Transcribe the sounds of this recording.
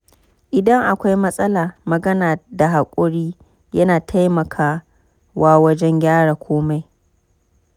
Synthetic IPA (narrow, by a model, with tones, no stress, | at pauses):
ʔɪ˨dɐ˦ŋʔa˨kʷa˦jmɐ˦sʼɐ˦laː˨mɐ˨ɡɐ˦naː˨da˨ɦa˨kʷʼʊ˦ɽiː˦ | jɐ˦naː˨tʰa˦jmɐ˨kʰaː˦ | waː˦wɐ˦d͡ʒɛ˦ŋɡʲaː˦ɽaː˨kʷʰoː˦ma˨j